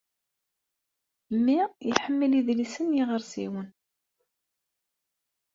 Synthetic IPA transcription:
mːiiħəmːəliðlisənjiʁəɾsḭwən

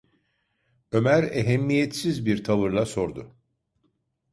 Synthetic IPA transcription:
ø̞mæɾeɦɛmːijɛt̪sizbiɾt̪ʰavɯɾlˠaso̞ɾd̪ʊ

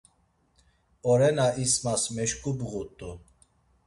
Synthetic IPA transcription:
ɔɾɛnaismasmɛʃkʼubɣut̪ʼu

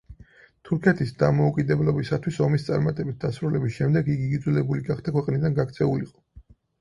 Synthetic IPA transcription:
t̪ʰuɾkʰɛt̪ʰisd̪amɔukʼid̪ɛblɔbisat̪ʰwisɔmist̪sʼaɾmat̪ʼɛbit̪̚d̪asɾulɛbisʃɛmd̪ɛɡiɡid̪zulɛbuliɡaχd̪akʰwɛqʼnid̪anɡakt̪sʰɛuliqʼɔ̥

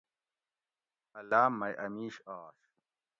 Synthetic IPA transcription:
ɐlaːmːɐjʔɐmiːɕaːɕ

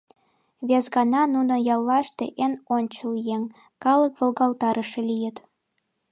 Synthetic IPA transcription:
βezɣɑnɑnunə̆jɑlːɑʃt̪ḛʔenonʲt͡ɕə̆ljeŋ | kɑlə̆kβolˠɣɑlt̪ɑɾʔə̆ʃĕlʲijə̆t̪

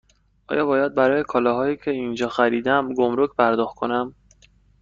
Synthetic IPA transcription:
ʔɒ̰ːjɒːbɒːjæd̪̚bæɾɒːje̞kʰɒːlɒːɦɒːjiːcʰe̞ind͡ʒɒːxæɾiːd̪æmɡomɾocʰpʰæɾd̪ɒːxt̪̚kʰo̞næm

